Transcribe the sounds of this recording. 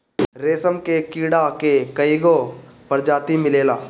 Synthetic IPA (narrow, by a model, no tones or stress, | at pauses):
ɾeːsəmkekiːɽakekɐiɡopəɾd͡ʒaːt̪imɪleːlaː